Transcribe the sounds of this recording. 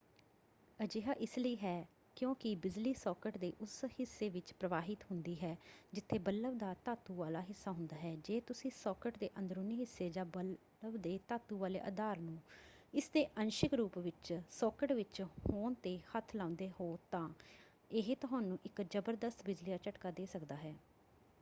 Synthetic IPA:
əd͡ʒeːɦaːʔɪsləiːɦɛː | kjõːkɪbɪd͡ʒliːsɔːkəʈd̪eːʔʊshɪsːeːʋɪt͡ʃpɾəʋaːɦɪt̪ɦʊnd̪iːɦɛːd͡ʒɪt̪ʰːeːbəlːəbd̪aːt̪aːt̪uːʋaːlaːɦɪsːaːɦʊ̃nd̪aːɦɛːd͡ʒeːt̪ʊsĩːsɔːkəʈd̪eːʔə̃nd̪əɾuːniːɦɪsːeːd͡ʒaːbə | əbd̪eːt̪aːt̪uːʋaːlḛːʔə̰d̪aːɾnũː | ɪsd̪eːʔənʃɪkɾuːpʋɪt͡ʃsɔːkəʈʋɪt͡ʃhoːnt̪eːhət̪ʰːlãːnd̪eːɦoːt̪ãː | ɪɦt̪ʊɦãːnũːʔɪkd͡ʒəbəɾd̪əst̪bɪd͡ʒliːaːt͡ʃəʈkaːd̪eːsəkd̪aːɦɛː

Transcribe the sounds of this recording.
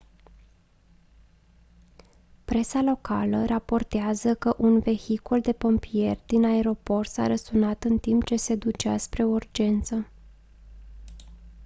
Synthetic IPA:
pɾe̞salo̞kʰa̰lərapo̞rt̪eazəkəʔunve̞çikuld̪e̞po̞mpie̞rʲd̪inae̞ɾo̞po̞rt̪sa̰ɾəsunat̪ɨnt̪imp̚t͡ʃe̞se̞d̪ut͡ʃa̰spɾe̞urd͡ʒe̞nt̪sə

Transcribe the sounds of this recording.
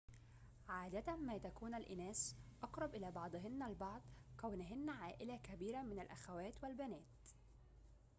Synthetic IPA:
ʕaːd̪at̪æmæːt̪ækuːnalʔɪnæːsʔɑqɾˤɑbʔɪlæːbɑʕd̪ˤɦɪnːalbɑʕd̪ˤkæwnɪɦɪnːʕaːʔɪlakæbiːɾamɪnalʔæxæwæːt̪walbænæːt̪

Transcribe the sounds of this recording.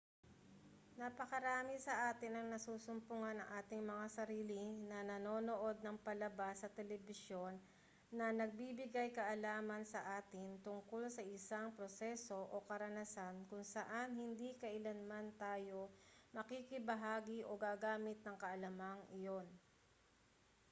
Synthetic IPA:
nɐpɐkɐɾaːmɪsɐʔaːt̪ɪnɐŋnɐsuːsʊmpʊŋanɐŋʔaːt̪ɪŋmɐŋasɐɾiːlɪnɐnɐno̞ːno̞ʔo̞d̪̚nɐŋpɐlɐbasːɐt̪ɛlɛbɪsjo̞nː | ɐnɐɡ̚biːbɪɡajkɐʔɐlaːmɐnsɐʔaːt̪ɪnt̪ʊŋkolsɐʔɪsaŋpɾosɛso̞ʔokɐɾɐnɐsankʊŋsɐʔanhɪnd̪ikɐʔɪlɐnmant̪aːjo̞mɐkiːkɪbɐɦaːɡiʔoɡaːɡaːmɪt̪̚nɐŋkɐʔɐlɐmaŋʔɪjo̞n

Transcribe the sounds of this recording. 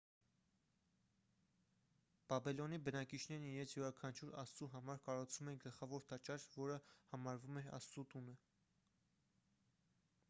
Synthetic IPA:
b̥ɑbɛlɔnibənɑkit͡ʃʰnɛɾniɾɛnt͡sʰjuɾɑkʰɑnt͡ʃʰuɾɑst͡suɦɑmɑɾkɑɾut͡sʰvumɛnɡəlχɑvɔɾt̪ɑt͡ʃɑɾvɔɾəhɑmɑɾvumɛɾɑ̰st͡sut̪unə

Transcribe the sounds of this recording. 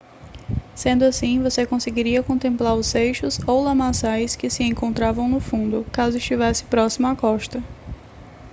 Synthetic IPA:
sẽnd̪ʊasĩvosekõseɡiɾiɐkõnt̪ẽmplaɾʊsejʃʊzowlɐ̃masajskɪsɪẽŋkõnt̪ɾavɐ̃w̃nʊfũnd̪ʊkazʊɪʃt͡ʃivɛsɪ̥pɾɔsimɐakɔʃt̪ɐ

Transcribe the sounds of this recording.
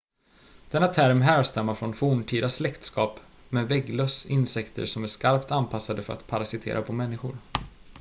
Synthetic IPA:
d̪̥ɛnːat̪ʰæɾmɦæːɾʂt̪ɛmːaɾfɾɔnfuːɳʈʰiːd̪aslɛkt̪skɑːp | meːvɛɡlœːsɪnsɛkt̪ʰə̰ɾʂɔmæʂkaɾpt̪anpʰasːad̪əfœɾa̰t̪pʰaɾasɪt̪ʰḛːɾʔapʰɔmɛnːɪɧʊɾ

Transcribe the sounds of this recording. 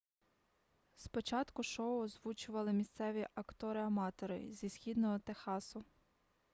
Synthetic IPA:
spɔt͡ʃɑt̪kʊʃɔʊɔzʋut͡ʃʊʋɐlˠɪmʲist̪sɛʋʲiʔɐkt̪ɔɾɪɐmɑt̪ɔɾɪ̰zʲisxʲid̪nɔɦɔt̪exɑsʊ

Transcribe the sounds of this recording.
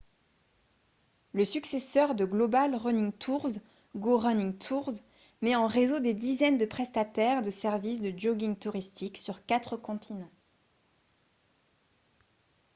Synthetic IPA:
ləsyksesœʁd̪əɡlɔbalʁənĩŋt̪ʰuʁz | ɡoʁœnĩŋt̪ʰuʁz | mɛɑ̃ʁezod̪ed̪izɛnd̪əpχɛst̪at̪ɛʁd̪əsɛʁvis̬d̪əd͡ʒoɡiŋt̪uʁist̪iksyʁkat̪χəkɔ̃t̪ʰinɑ̃

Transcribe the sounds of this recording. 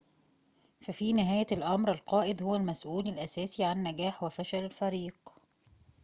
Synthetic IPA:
fæfiːnɪɦæːjælʔɑmɾɪlqɑːʔɪd̪hʊwælmæsʔuːlælʔæsæːsiʕanːæɡæːħwɪfæʃælɪlfæɾiːq

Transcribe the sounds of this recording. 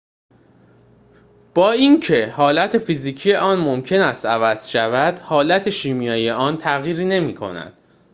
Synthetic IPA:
b̥ɒːincʰe̞hɒːlæt̪ʰe̞fiziːcʰijeʔɒːnmomcʰe̞næst̪ævæz̥ʃævæd̪̥hɒːlæt̪ʰe̞ʃiːmijɒːjeʔɒːnt̪ʰæɣjiːɾiːne̞miːkʰo̞̰næ̰d̪̥

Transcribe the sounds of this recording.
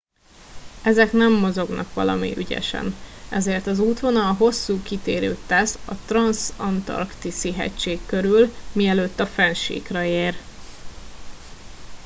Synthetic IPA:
ɛzɛknɛmːo̞zo̞ɡnɒ̰kʋɒ̰lɒ̰mḭʔyɟɛ̰ʃɛ̰nɛzeːrt̪ɒzuːt̪ʋo̞nɒɦo̞sːuːkit̪eːɾø̰ːt̪ɛsɒt̪rɒnsɒnt̪ɒ̰rkt̪isiɦɛ̰ct͡ʃːeːkːø̞ɾylmiɛløːt̪ːɒfɛnʃḭːkrɒeːr

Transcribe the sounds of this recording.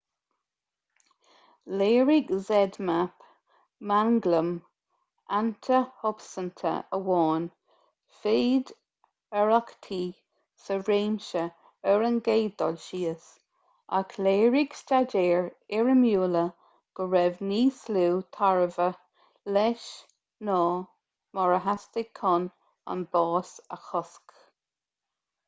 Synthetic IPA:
leːɹiɡzɛd̪map | maŋɡləm | ʔant̪ʰəhʊbsənt̪ʰə̰ʔəwɔːn | feːd̪ | əɹakt̪ʰiː | səɹeːmʃə | əɹənɡeːd̪ɔ̰lʃiːəs | a̰kʰleːɹiɡ̥stadeːɹɪɹəmjuːlə | ɡ̥əɹɛvniːsluːt̪ʰaɹəvə | lɛʃ | nɔː | mɔɹəɦast̪ɪɡ̚kʰɔn | ɔ̰nbɑːsəxɔsk

